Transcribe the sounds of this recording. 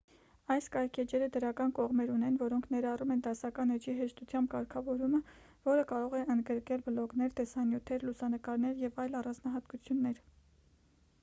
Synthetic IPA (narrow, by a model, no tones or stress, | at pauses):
ɑjskɑjkʰɛd͡ʒɛɾəd̪əɾɑkɑnkɔʁmɛɾunɛnvɔɾɔŋkʰnɛɾɑrumɛnd̪ɑsɑkɑnɛd͡ʒiɦɛʃt̪ut͡sʰjɑmbkɑɾkʰɑvɔɾumə | vɔɾəkɑɾɔʁɛənd̪ɡəɾkɛlbəlɔknɛɾt̪ɛsɑnjut̪ʰɛɾlusɑnəkɑɾnɛɾjɛvɑjlɑrɑnd͡znɑɦɑt̪kut͡sʰjunːɛɾ